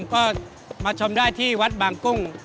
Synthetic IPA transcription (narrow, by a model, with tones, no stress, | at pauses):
mkɔː˥˩ | maː˧t͡ɕʰo˧mdaː˥˩jt̪ʰiː˥˩wa˦˥t̪̚baː˨˩ŋkʊ˥˩ŋ